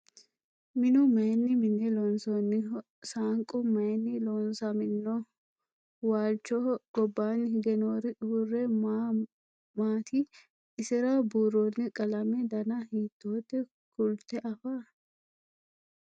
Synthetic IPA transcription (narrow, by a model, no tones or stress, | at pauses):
mɪnʊmɐjnːɪmɪnːɛlɔnsɔnːɪ | saːŋkʼʊmɐjnːɪlɔːnsɐmɪnːɔ | waːlt͡ʃːɔɡ̥ɔbːaːnːɪhɪɡɛnoːɾɪʊrːɛm | maːt̪ʰi | ɪsɛɾabuːrːoːnːɪkʼɐlɐmɛd̪ɐnɐhiːt̪ːoːt̪ːɛ | kʊlt̪ɛʔɐfaː